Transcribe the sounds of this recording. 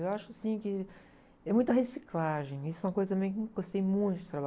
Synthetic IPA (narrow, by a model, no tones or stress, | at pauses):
ewaʃʊasĩkɪ | ɛmũj̃t̪ɐhesiklaʒẽj̃isʊɛũmɐkojzɐt̪ɐ̃mẽj̃kɪ̃ɡost̪ejmũj̃t̪ʊd͡ʒɪt̪ɾaba